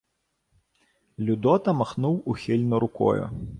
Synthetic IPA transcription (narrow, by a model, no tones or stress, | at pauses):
lʲʊd̪ɔt̪ɐmɐxnuwuxʲilʲnʊɾʊkɔ̰jʊ̰